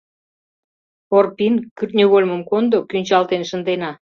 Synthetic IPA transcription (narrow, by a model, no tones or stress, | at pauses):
orpinkyrt̪nʲyɣolʲməmkond̪okynʲt͡ɕɑlt̪enʃənd̪enɑ